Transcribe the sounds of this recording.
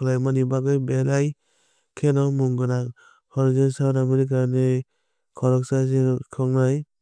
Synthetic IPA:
lajmanibaɡɯjbelaj | kʰenɔmuŋɡɯnak | hɔɾzɯnsawnamɯɾikanɯ | kʰɔɾɔksazekʰɔŋnaj

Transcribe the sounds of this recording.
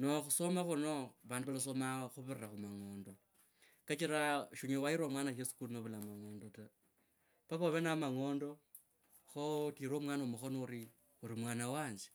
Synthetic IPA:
noxusomaxunoβaːnduβalas̬omaxuβiriraxumaŋo̞ːndo̞ | kat͡ʃiɾaʃuɲewaiɾwomwaːnajesu̥kulnoβulamaŋoːndota | paβoβenamaŋo̞ːndo̞ | xotiːɾoːmwaːnomuxonoɾi | uɾimwaːnawaːɲd͡ʒe̥

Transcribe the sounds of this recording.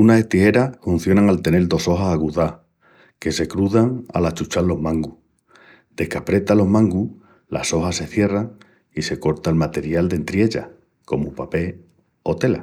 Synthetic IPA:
unase̞ht̪ihe̞ɾafun̟θjo̞naŋalt̪e̞ne̞ld̪o̞so̞ɦasaɣuða | ke̞se̞kɾuðaŋa̰lat͡ʃut͡ʃalːo̞mãŋɡu | d̪̥e̞hkapɾe̞t̪alo̞ɦmãŋɡu | la̰so̞hase̞θje̞raŋ | ise̞ko̞ɾt̪aelmat̪e̞ɾjald̪e̞nt̪ɾje̞ʎa̰ | ko̞mupape̞ | o̞t̪e̞la

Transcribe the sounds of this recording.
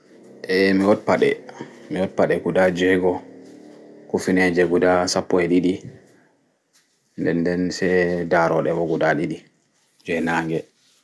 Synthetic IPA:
ʔɛmiwɔdpaɗɛ̰miwɔt̚paɗɛkudad͡ʒɛɡɔ | kufinɛd͡ʒɛɡudasapːɔɛɗiɗi | ndɛndɛnsɛdaɾɔɗɛbɔɡuɗaɗiɗi | d͡ʒɛnaːŋɡɛ

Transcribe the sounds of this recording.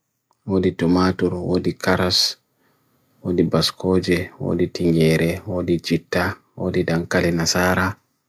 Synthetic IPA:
woditɔmaːtuɾwo̰dikaɾas | wodibaskɔːd͡ʒɛwo̰ːditiŋɡɛːɾʔɛwodid͡ʒitːa | wo̰ːdidankalinasaːɾa

